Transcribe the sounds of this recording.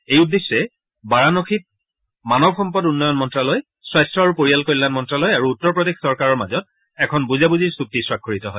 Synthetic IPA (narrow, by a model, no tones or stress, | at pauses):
ejudːesːɛ | baɹanokʰit̚ | manɔbxɔmpɔdunːɔjɔnmɔntɹalɔj | swajstɹɔaɹupoɹijalkoɹilanmɔntɹalɔjaɹuːtːɔɹpɹɔdexsɔɹkaɹɔɹmazɔt̚ | ɛkʰɔnbuzabuziɹsuk̚tiswakʰːoɹitɔɦɔj